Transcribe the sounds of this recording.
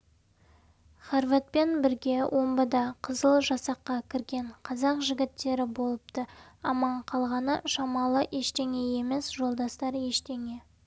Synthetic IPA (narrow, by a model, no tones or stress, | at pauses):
χaɾvat̪̚pe̞nbɪɾɡʲe̞wʔo̞mbəd̪ɑqʰəzəlˠʒɑsɑqːɑkʲʰɪɾɡʲe̞ɴqʰɑzɑqʒɪɡʲɪt̪ːe̞ɾɪbo̞lˠəp̚t̪ə | ɑmɑɴqʰɑlˠʁɑnəʃɑmɑlˠəʔe̞ʃt̪e̞ŋe̞je̞me̞sʒo̞lˠd̪ɑst̪ɑɾe̞ʃt̪e̞ŋe̞